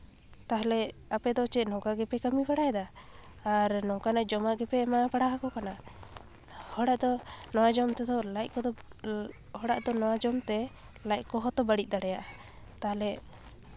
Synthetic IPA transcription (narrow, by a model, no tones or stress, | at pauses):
t̪aɦlɛapɛd̪ɔt͡ʃɛnɔɡaɡɛpɛkamipaɽajɛd̪a | aɾnɔkanaʔd͡ʒɔmaʔɡɛpɛmapaɽaɦakɔkana | hɔɽaʔd̪ɔnɔwad͡ʒɔmt̪ɛd̪ɔlajc̚kɔd̪ɔ | hɔɽaʔd̪ɔnɔwad͡ʒɔmt̪ɛ | laj̚kɔɦɔt̪ɔbaɽit̚d̪aɽɛjaʔa | t̪aɦlɛ